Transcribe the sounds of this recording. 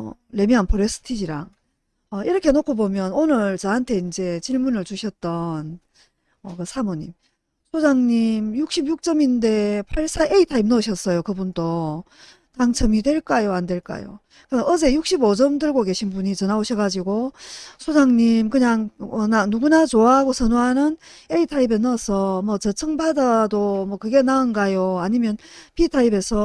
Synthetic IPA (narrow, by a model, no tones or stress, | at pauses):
le̞miɦanpʰoɾes͈ʰɯ̥tʰid͡ʑiɾa̰ŋ | ʌiɾʌkʰe̞nokʰobomjʌnonɯɭt͡ɕʌɦantʰe̞ind͡ʑe̞t͡ɕiɭmunɯɭt͡ɕuɕʰʌt̚t͈ʌn | ʌkɯsʰamoɲim | sʰod͡ʑaŋɲimjuk̚ɕ͈ibjuk̚t͡ɕ͈ʌminde̞pʰaɭs͈aʔeitʰaimnoɕʰʌs͈ʌjokɯbunt͈o | taŋt͡ɕʰʌmidwe̞ɭk͈ajoandwe̞ɭk͈a̰jo̰ | kɯʌʌd͡ʑe̞juk̚ɕ͈ʰibod͡ʑʌmdɯɭɡoke̞ɕʰinbuɲit͡ɕʌnaoɕʰʌɡad͡ʑiɡosʰod͡ʑaŋɲimkɯɲaŋʌnanuɡunat͡ɕoaɦaɡosʰʌnoɦanɯne̞itʰaibe̞nʌsʰʌmʌt͡ɕʌt͡ɕʰʌŋbadadomʌkɯɡe̞naɯnɡajoaɲimjʌnpitʰaibe̞sʰʌ